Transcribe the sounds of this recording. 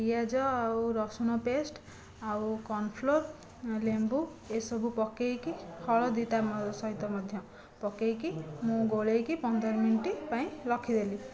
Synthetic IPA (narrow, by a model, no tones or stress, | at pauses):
ijad͡zʌawɾɔsunɔpesʈ | awkɔnpʰlor | lembu | esʌbʱupʌkːejkihʰʌɭɔd̪it̪amsʌɦit̪ːɔmʌd̪ʱjʌ̃ | pɔkejkimũɡoɭejkipʌnd̪ʌɾminiʈipaĩlʌkʰid̪eli